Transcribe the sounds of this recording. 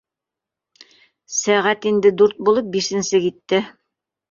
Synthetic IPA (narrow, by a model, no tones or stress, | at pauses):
sæʁæt̪ind̪ɘd̪uɾt̪̚bulˠɤp̚biʃɘ̆nsɘkit̪ːɘ